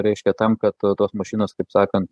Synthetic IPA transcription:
ɾʲɛɪʃʲkʲɛt̪ɐmkɐt̪t̪oːsmɐʃʲiːnoːskɐɪpsɑːkɐnt̪

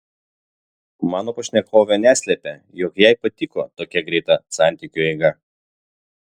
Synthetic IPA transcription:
mɑːnoːpɐʃʲnʲɛkʰoːʋʲɛnʲæːsʲlʲɛpʲe | jɔkjɛɪpɐt̪ʲɪkot̪oːkʲɛɡɾʲɛɪt̪ɐsɑˑnʲt̪ʲɪkʲʊɛɪɡɐ

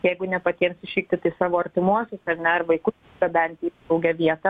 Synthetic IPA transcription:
jɛɪɡʊnʲɛpɐt̪ʲiɛmsʲɪʃʲiːk̚t̪ʲɪt̪ɐɪsɑːʋoːɐɾʲt̪ʲɪmuɔsʲʊsɐɾnʲɛɐrʋɐɪkʊ | ɡɐbʲɛnʲt̪ʲi | ɐʊɡʲɛʋʲiɛt̪ɐ

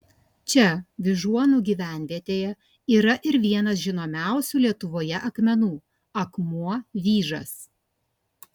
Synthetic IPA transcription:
t͡ʃʲɛʋʲɪʒuɔnuːɡʲiːʋʲæˑnʲˑʋʲiɛt̪ʲeːjɛ | iːɾɐʔɪɾʋʲiɛnɐsʒʲɪnoːmʲæˑʊsʲuːlʲiɛt̪ʊʋoːjɛʔɐkmʲɛnuː | ɐkmuɔʋʲiːʒɐ̰s

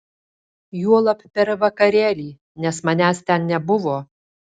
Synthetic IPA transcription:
juɔlˠɐppʲɛɾʋɐkɐɾʲeːlʲiː | nʲɛsmɐnʲæːst̪ʲɛnnʲɛbʊʋoː

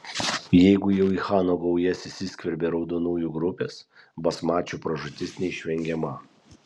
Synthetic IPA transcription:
jɛɪɡʊjɛʊixɑːnoːɡɔʊjɛsɪsʲɪsʲkʲʋʲɛɾʲbʲeːɾɒʊd̪onuːjuːɡɾʊpʲeːsbɐsmɑːt͡ʃʲuːpɾɐʒʊt̪ʲɪsnʲɛɪʃʲʋʲɛŋʲɡʲɛmɐ

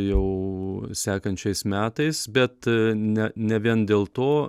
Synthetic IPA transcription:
jɛʊsʲæːkɐnʲt͡ʃʲɛɪsmʲæːt̪ɐɪsbʲɛt̪nʲɛnʲɛʋʲiɛnd̪ʲeːlˠt̪oː

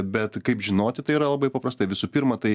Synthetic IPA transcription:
bʲɛt̪kɐɪpʒʲɪnoːt̪ʲɪt̪ɐɪiːɾɐlˠɐbɐɪpɐpɾɐst̪ɐɪʋʲɪsuːpʲɪɾmɐt̪ɐɪ

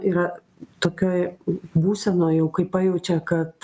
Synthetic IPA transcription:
iːɾɐ | t̪oːkʲoːjbuːsʲɛnoːjɛʊkɐɪpɑjɛʊt͡ʃʲɛkɐt̪

